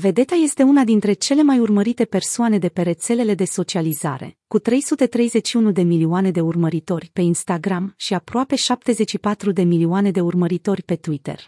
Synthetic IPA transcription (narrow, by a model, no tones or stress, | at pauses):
ve̞d̪e̞t̪aje̞st̪e̞unad̪int̪ɾe̞t͡ʃe̞le̞majurməɾit̪e̞pe̞rsoane̞d̪e̞pe̞ɾe̞t̪se̞le̞le̞d̪e̞so̞t͡ʃializa̰ɾe̞̰kut̪ɾe̞jsut̪e̞t̪ɾe̞jze̞ʃiunud̪e̞milioane̞d̪e̞urməɾit̪o̞rʲpe̞inst̪aɡɾamʃiapɾoape̞ʃap̚t̪e̞ze̞t͡ʃːipat̪ɾud̪e̞milioane̞d̪eurməɾit̪o̞rʲpe̞t̪uit̪ḛr